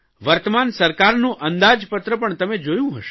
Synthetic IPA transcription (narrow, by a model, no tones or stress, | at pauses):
ʋəɾt̪əmansəɾkaɾnũʔənd̪ad͡ʒpət̪ɾəpəɳt̪əmed͡ʒojũɦəʃ